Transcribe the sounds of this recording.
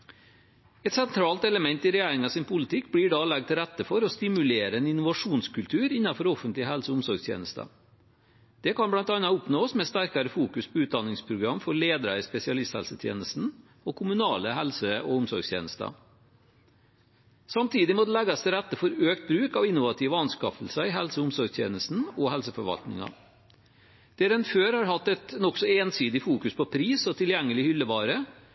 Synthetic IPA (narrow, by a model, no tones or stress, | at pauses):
ɛt̪sɛnt̪ʰɾɑːlt̪ɛləmɛnt̪ɪɾɛjæːɾɪŋɑsɪnpʰʊlɪt̪ʰɪkːbliːɖɑlɛɡt̪ʰɪlɾɛt̪ːəfɔɾɔst̪ɪmʉleːɾəɛnɪnʊʋɑʂuːnskʰʉlt̪ʰʉːɾɪnːɑfɔɾɔfənt̪lɪəɦɛlsəʊmsɔɾɡst̪ʰjḛːnəst̪ɑ̰ | d̪̥ɛkɑnblɑnt̪ɑnɑʊpnoːsmɛːst̪æɾkɑɾəfuːkʉspʰɔʉːt̪̚d̪ɑnːɪŋspʰɾʊɡɾɑmfɔɾɭeːd̪əɾɑɪspɛsɪɑlɪst̪hɛ̰lsət̪ʰjḛːnəst̪n̩ | ɔkʰʊmʉnɑːləɦɛlsəɔʊmsɔ̰ɾɡst̪ʰjḛːnəst̪ɑ̰ | sɑmt̪ʰiːd̪ɪmɔd̪ɛlɛɡɑsɛɾɛt̪ːəfɔɾøːkt̪̚bɾʉːkɑʋɪnːʊʋɑt̪ʰiːʋəɑnskɑfəlsəɪɦɛlsəʊmsɔɾɡst̪ʰjḛːnəst̪n̩ɔɦɛlsəfɔɾʋɑ̰lt̪nɪ̰ŋɑ̰ | d̪̥ɛɾɛnføːɾhɑɾhɑt̪ːɛt̪nɔksɔeːnsiːd̪ɪfuːkʉspʰɔpʰɾiːsɔt̪ʰɪljɛŋːəlɪhʏlːəʋɑːɾə